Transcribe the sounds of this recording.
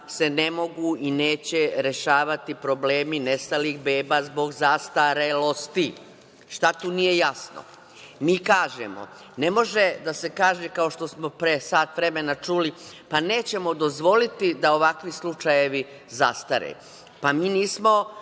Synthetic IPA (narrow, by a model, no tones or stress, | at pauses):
se̞ne̞mo̞ɡuineːt͡ɕe̞ɾe̞ʃaːʋat̪ipɾo̞ble̞ːmine̞st̪alixbe̞ːbaːzbo̞ɡzast̪aɾelo̞st̪i | ʃt̪at̪uːnije̞jasno̰ | miːkaːʒḛmo̞̰ | ne̞mo̞ʒe̞d̪ase̞kaːʒekao̞ʃt̪o̞smo̞pɾesaːt̪ʋɾe̞me̞nat͡ʃuːlipaneːt͡ɕe̞mo̞d̪o̞zʋo̞lit̪id̪ao̞ʋakʋislˠut͡ʃaje̞ʋi | zast̪aɾḛ | pamiːniːsmo̞